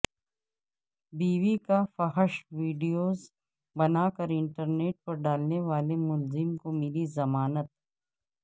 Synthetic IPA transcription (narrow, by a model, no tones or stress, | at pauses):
biːʋikafɐɦəʃʋiːɖijoːz | bɐnaːkɐɾɪ̃ɳʈəɾneːʈ̚pɐɾɖaːlneʋaːlemʊlzɪmkomɪlizɐmaːnət̪̚